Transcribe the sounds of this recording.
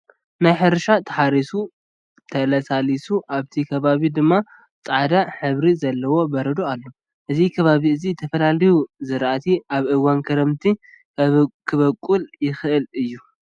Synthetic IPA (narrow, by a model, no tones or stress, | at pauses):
najħɨɾʃat̪ʰɐ̥ħaɾisu | t̪ʰɐlɐsalisuʔaβt̪ʰikʰɐβaβid̪ɨmːa | t͡sʼaʕd̪aħɨβɾizɐlːɐwo̞bɐɾɐd̪oalːo̞ | ʔɨzikʰɐβaβiɨzit̪ʰɐfɐlalijuzɨɾʔat̪ʰiʔaβʔɨwankʰɐɾɐmt̪ʰi | kʰɨβɐkʼːuljɪxɨʔɨlɨjːu